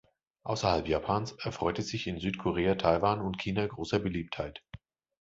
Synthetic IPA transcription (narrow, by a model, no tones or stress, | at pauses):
ʔaʊsɐhalpjaːpʰaːnsʔɛɐfʁ̥ɔʏtɛsz̥ɪçɪnzyːtkʰɔʁeːatʰaɪvaːnʊntkʰiːnaɡʁoːsɐbəliːp̚thaɪt